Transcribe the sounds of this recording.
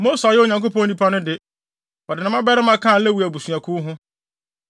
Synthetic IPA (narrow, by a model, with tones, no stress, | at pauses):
mo˦sa˨jɪ˦o˨ɲã˨ŋko˦pʰɔ̃˦nĩ˦pʰa˦nʊ̃˦dɪ˨ | ɔ˨dɪ˨nã˦mã˦bɛ˦ɾɪ˦mã˦kʰã˦˨˦lɛ˦wu˨æ˨bu˨su˨a˨kʰuː˦ɦʊ̃˦